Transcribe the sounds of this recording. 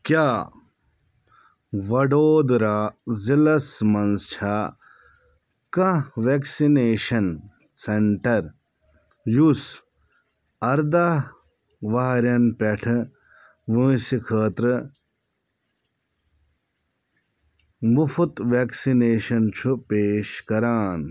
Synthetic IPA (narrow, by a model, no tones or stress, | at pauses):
kʲjaː | ʋɐɖoːd̪ɾaːzilɐsmɐnst͡ʃʰa | kɐ̃ʋeksineːʃɐn | seɳʈɐɾ | jus | ɐɾd̪a | ʋaɦɾjɐnpeʈʰɨ | ʋɨ̃ːsikʰəːt̪ɾɨ | mufʰut̪ʋeksineːʃɐnt͡ʃʰupeːʃkɐɾaːn